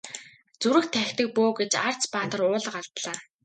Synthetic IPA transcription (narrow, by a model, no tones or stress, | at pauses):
t͡suɾɘ̆xt̪ʰæxʲt̪ɘ̆k̚poːɡet͡ɕar̥t͡spaːt̪ə̆rʊːɮ̆ɢaɮt̪ɮaː